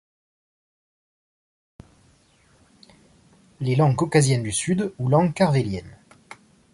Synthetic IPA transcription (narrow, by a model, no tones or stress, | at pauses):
lelɑ̃ɡkɔkazjɛnd̪ysyd̪ulɑ̃ɡkaʁveljɛn